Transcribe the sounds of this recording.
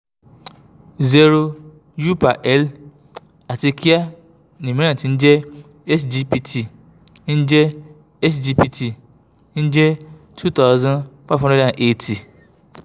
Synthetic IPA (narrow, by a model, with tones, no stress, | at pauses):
zɛ˦ɾo˦ | ju˦pa˨ʔɛ˦l | a˨te˨kʰi˦a˦ | nĩ˨mĩ˦ã˦˨n˨tn̩˦d͡ʒɛ˦ | ɛ˦sd͡ʒi˦pi˦tʰi˨ | n̩˦d͡ʒɛ˦ | ɛ˦sd͡ʒi˦pi˦tʰi˨ | n̩˦d͡ʒɛ˦ | tʰu˦t̪a˦ʊzã˦nfa˦vɦã˦nɛ̃˦˨ã˨ne˨tʰi˨